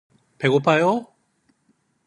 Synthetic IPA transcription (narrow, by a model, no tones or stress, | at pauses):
peɡopʰajo